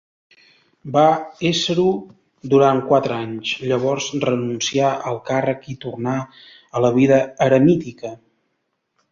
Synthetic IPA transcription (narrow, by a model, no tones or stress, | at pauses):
baesəɾu | d̪uɾaŋkwat̪ɾəaɲzʎəβ̞ɔrzrənunsiaʔəlˠkarəkit̪urna | ələβiðəːɾəmit̪ikə